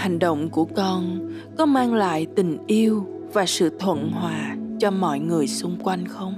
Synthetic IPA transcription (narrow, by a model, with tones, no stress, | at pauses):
ha˨˩jŋ̟ɗə̰˧˨wŋ͡mku˧˩əkɔ˧n | kɔ˨˦maː˧ŋla̰ː˧˨jt̪ï˨˩ŋ̟ʔi˧əw | vaː˨˩sɨ̰˧˨t̪ʰwə̰˧˨nɦwaː˨˩t͡ɕɔ˧mɔ̰˧˨jŋɨ˨˩əjsʊ˧ŋ͡mkwa˧jŋ̟xə˧wŋ͡m